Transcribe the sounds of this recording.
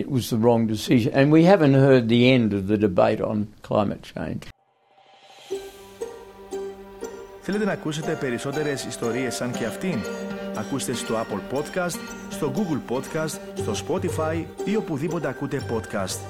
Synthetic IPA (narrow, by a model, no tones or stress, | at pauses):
ɪt̚wʌzðəɹɔ̃ŋdɨsɪʒɨ̃nɨ̃nwihævɨ̃nt̚hɜ˞d̪̚ðiɛ̃ndʌvðɨdɨbḛɪɾn̩kʰla̰ɪ̃mʔɨ̰t̚t͡ʃʰḛ̃ɪ̃n | θele̞t̪̬e̞nɐkuse̞t̪e̞pe̞ɾiso̞t̪e̞ɾe̞sist̪o̞ɾie̞sːɐnceɐft̪inɐkust̪e̞st̪oaplpo̞d̪kɐst̪ | st̪o̞ɡuɡlpo̞t̪kɐst̪st̪o̞spo̞t̪ifɐjio̞puðipo̞t̪e̞ɐkut̪e̞po̞t̪kɐst̪